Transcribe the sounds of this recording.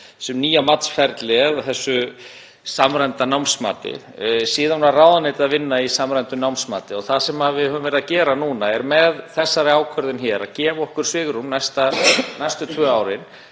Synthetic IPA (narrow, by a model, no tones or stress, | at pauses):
sɛmniːjamat̪sfɛɾt̪lɪðθɛsːʏ | samɾɛjnt̪anawmsma̰ːt̪ɪ̰ | siːðanaraːwðanɪːt̪ɪaðvɪnːaisamɾɛjnt̪ʏnawmsma̰ːt̪ɪɔθasɛmavɪhœːvʏmvɛɾɪðacɛːɾanuːnaɛɾmɛðθɛsːaɾɪaːwkʰœɾðʏnçɛːɾacɛːmɔhkʏɾ̥svɪːɣɾumnajst̪anajst̪ʏt̪ʰvœːaːwɾɪn